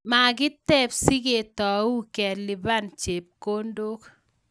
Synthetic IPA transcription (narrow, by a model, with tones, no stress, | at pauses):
ma˨ɡɪ˦t̪ɛ˦psi˦ɡe˨tɔ˨u˦kɛ˨ɾli˨ba˦nt͡ʃe˨p̚ko˦ndo˦k